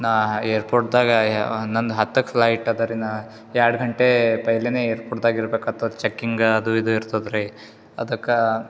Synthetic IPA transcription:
naeːɾpoːɾʈd̪aːɡɐnɐnd̪uɦɐt̪ːɐkpʰlɐjʈːɐd̪ɐɾina | jaːɽɡɐɳʈepɐjleneːeːɾpoːʈd̪aːɡiɾbeːkat̪ːɐt͡ʃɐkːiŋɡɐd̪uid̪uiɾt̪ɐd̪ɾe | ɐd̪ɐkːɐ

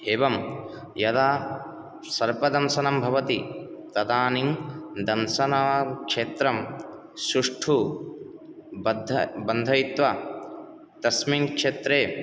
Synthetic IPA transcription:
eːʋɐm | jɐd̪aː | sɐɾpɐd̪ɐnsɐnɐmbʱɐʋɐt̪i | t̪ɐd̪aːniŋd̪ɐnsɐnɐɐkʂeːt̪ɾɐm | sɾuʂʈʰu | d̪bɐnd̪ʱɐjit̪ʋɐ | t̪ɐsminkʂeːt̪ɾeː

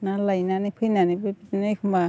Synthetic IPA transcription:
nalajnanipʰɯjnanibɯpitinɯkʰumba

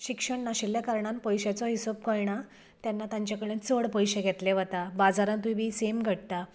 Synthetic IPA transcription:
ɕikʂəɳːaɕelːjakaɾɳãnpəjɕat͡sɔɦisop̚kəɭɳa | t̪janːat̪ãɲt͡ɕjakəɭẽnt͡səɽpəjɕeɡʱɛt̪leʋət̪abad͡zaɾãnt̪uibʱiːsemɡʱəɽt̪a

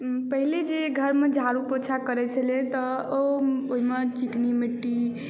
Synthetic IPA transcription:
pəɦiled͡ʒeɡʱəɾmed͡ʒʱaɾupot͡ʃʰakəɾɛt͡ʃʰəlẽt̪ɔooɦimet͡ʃiknimiʈːi

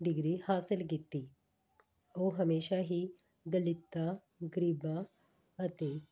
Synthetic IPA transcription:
d̪iɡɾiːhasəlɡet̪ːi | oɦəmeɕaɦiː | d̪əlit̪ːa | ɡɾiba | ət̪e

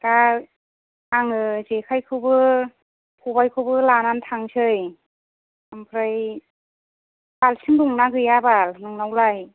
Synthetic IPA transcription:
ka | aŋɯzekʰajkʰɯbɯ | kʰubajkʰɯbɯlanantʰaŋsʰɯj | ampʰɾɯj | balsʰɯnnuŋnaɡɯjabalnuŋnawlaj

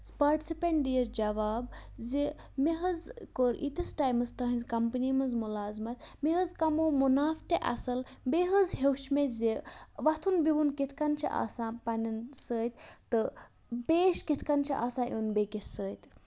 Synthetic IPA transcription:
spaːɾʈi̥sipeɳʈ̚d̪ijɐɾd͡ʒɐʋaːbzi | meɦəzkoɾʔḭt̪ɐsʈaːjmɨst̪ɐɦĩnzkɐmpənimɐzmulaːzmɐt̪meɦəzkɐmoːmunaːft̪eʔɐ̰sɐlbeɦəzɦewt͡ʃʰmezeʋɐt̪ʰunbiɦunkit̪ʰkɐnt͡ʃʰḭʔa̰ːsãːpɐnɐnsəːjt̪t̪ɨ | peːʃkit̪ʰkɐnt͡ʃʰiʔaːsãːʔunbekissəːt̪

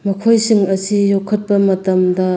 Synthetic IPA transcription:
mɐkʰojsiŋɐsijokʰɐt̚pɐmɐtɐmdɐ

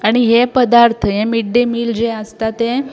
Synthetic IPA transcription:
aɽ̃iɦepəd̪aɾt̪ʰəɦemiɖemiːld͡ʑeəst̪at̪ẽ

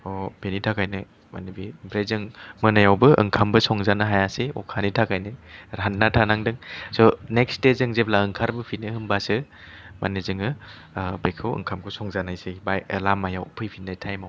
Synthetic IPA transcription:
ɔbenitʰakajnɯ | ma̰nɯbibɾezɯŋmɯnajawbɯɯ̰ŋkʰambɯsɔŋzanaɦajaseɔ̰kʰanitʰakajnɯɾanːatʰanaŋdɯŋsɔnek̚stezɯŋzeblaɯŋkʰaɾbɯpʰinɯhɯmbasɯ | mʔa̰nezɯŋɯ | bekʰɯwɯ̰ŋkʰamkʰɯsɔŋzanajsɯbajlamajawpʰɯjpʰinajtʰajmaw

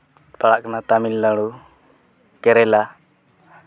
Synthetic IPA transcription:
paɽaʔkanat̪amilːaɽu | kɛɾɛla

